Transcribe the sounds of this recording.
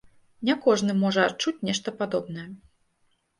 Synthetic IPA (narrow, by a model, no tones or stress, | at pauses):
nʲɛkɔʐnɨmɔʐɐat͡ʂut͡sʲnʲɛʂt̪ɐpad̪ɔbnɐjɛ